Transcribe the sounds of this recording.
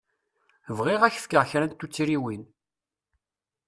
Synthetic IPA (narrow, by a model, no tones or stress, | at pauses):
vʁiʁæçθkəʁçɾæt̪ːut͡sːiɾiwin